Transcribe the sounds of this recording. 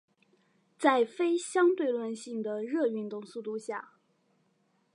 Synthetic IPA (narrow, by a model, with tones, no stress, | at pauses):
t͡sa˥˩ɪfe˥ɪɕjɑ˥ŋt̪we˥˧ɪlwə˥˧nɕi˥˩ŋd̪ə˩ɻɤ˥˧y˥˧nt̪ʊ˥˧ŋsu˥˧t̪u˥˧ɕja˥˩